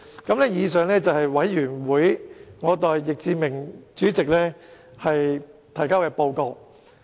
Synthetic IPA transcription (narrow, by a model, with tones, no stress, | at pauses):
kɐ˨˥mlɛː˥jiː˨˧s̬œː˨ŋlɛː˥t͡sɐ˨whɐ˨jwɐ˨˥jːyː˨˩nwuː˨˥jŋɔː˨˧t̪ɔː˨jːɪ˨k̚t͡siː˧mɪ˨˩ŋt͡ʃyː˨˥t͡sɪ˨k̚lɛː˥ | hɐ˨jt̪ʰɐ˨˩jkaː˥wkɛː˧po˧wko˧w